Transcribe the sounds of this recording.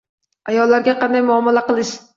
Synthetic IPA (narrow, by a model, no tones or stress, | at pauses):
ajɒlˠːaɾɡʲɛqɑnd̪ajmʊɒmɛlæqəlˠɪʃ